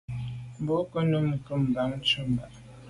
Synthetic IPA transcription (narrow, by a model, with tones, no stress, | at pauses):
m˨bo˨˦kə˦nə˦m̩˨kə˦˨m˨ba˨˦ŋ̩˦t͡ʃə˦m˨ba˨ʔ